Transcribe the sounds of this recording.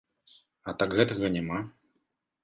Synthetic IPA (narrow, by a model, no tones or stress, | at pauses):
ɐt̪akɣɛt̪ɐɣɐnʲɛma